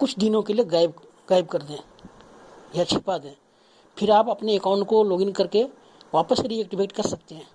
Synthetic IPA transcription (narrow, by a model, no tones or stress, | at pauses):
kʊt͡ʃʰd̪ɪnõkelieɡaːɪb | ɡaːɪb̚kɐɾd̪ẽː | jat͡ʃʰɪpaːd̪ẽː | pʰɪɾaːpɐpneːkaːʊ̃ɳʈkoloːɡɪ̃ŋɡkɐɾke | ʋaːpəsɾiɛːk̚ʈɪbʱeːʈkɐɾsɐk̚t̪eɦɛ̃ː